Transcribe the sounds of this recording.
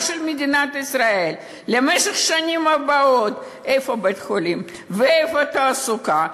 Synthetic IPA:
ʃelmed̪inat̪isʁaelː | emeʃeχʃanʲimabaot̪ | efobet̪χolim | veejfot̪aːsuka

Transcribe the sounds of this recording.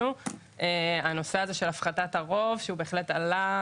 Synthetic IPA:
u | ʔeano̞seaze̞ʃe̞lafχatataʁo̞vʃeube̞ːχletala

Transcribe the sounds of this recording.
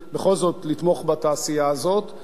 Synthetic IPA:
beχo̞lzo̞t̪lit̪mo̞χbat̪aːsijaːzo̞t̪

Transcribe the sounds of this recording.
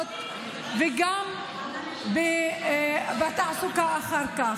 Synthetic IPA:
t̪̚ | veɡam | be | vat̪aʕasukaaχaɾka

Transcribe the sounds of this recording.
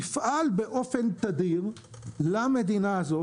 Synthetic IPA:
ifʔalbe̞ʔo̞fe̞nt̪ad̪iʁ | lame̞d̪inaːzo̞

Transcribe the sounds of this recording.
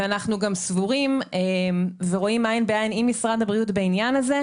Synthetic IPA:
anaχnuɡamsvuʁimemveʁo̞imainbeainimːisʁadhabʁiutbeinjanaze

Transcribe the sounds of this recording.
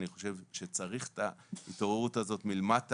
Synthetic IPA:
niχo̞ʃe̞vʃe̞t͡saʁiχtaitoʁeʁutazo̞tmilemat

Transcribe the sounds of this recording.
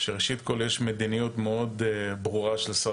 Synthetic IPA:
ʃeʁeʃit̪koljeʃmed̪inijut̪meo̞d̪bʁuʁaʃelsa

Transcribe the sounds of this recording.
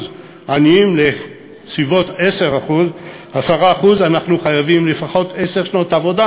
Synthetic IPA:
z | aniimle̞ | sivo̞te̞se̞ʁaχuz | hasaʁaːχuzanaχnuχajavimle̞faχo̞t̪e̞seʁʃno̞tavo̞da

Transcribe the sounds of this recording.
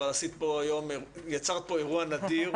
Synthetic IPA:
alasit̪̚poajomejat͡saʁt̪̚po̞e̞ʁuanad̪iʁ

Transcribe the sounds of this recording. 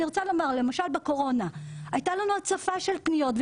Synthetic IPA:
iʁot͡salo̞maʁle̞maʃalbeko̞ʁo̞naajtalanuat͡safaʃelpnijo̞tv

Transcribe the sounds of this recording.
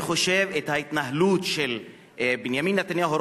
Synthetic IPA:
χo̞ʃe̞vethait̪naɦlutʃel | binjaminːat̪anjaɦoɾ

